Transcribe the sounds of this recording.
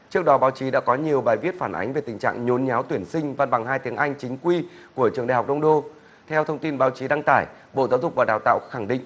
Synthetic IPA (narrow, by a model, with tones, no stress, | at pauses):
t͡ɕɨ˦˥ək̚ɗɔ˨˦ɓaː˨˦wt͡ɕi˨˦ɗa̰ː˧˥kɔ˨˦ɲi˨˩əwɓaː˨˩jvi˦˥ət̚faː˧˩nʔa̰˨˦ŋ̟ve˨˩t̪ï˨˩ŋ̟t͡ɕa̰ː˧˨ŋɲo˨˦nɲaː˨˦wt̪wi˧˩ənsï˧ŋ̟va˧nɓa˨˩ŋhaː˧jt̪i˨˦əŋʔa˧jŋ̟t͡ɕï˨˦ŋ̟kwi˧ku˧˩ət͡ɕɨ˨˩ə˩ŋɗa̰˧˩hk͡p̚ɗə˧wŋ͡mɗo˧ | t̪ʰɛ˧wt̪ʰə˧wŋ͡mt̪i˧nɓaː˨˦wt͡ɕi˨˦ɗa˧ŋt̪aː˧˩j | ɓo̰˧˨zaː˨˦wzʊ˨˩k͡p̚vaː˨˩ɗaː˨˩wt̪a̰ː˧˨wxa˧˩ŋɗḭ̈˧˨ŋʔ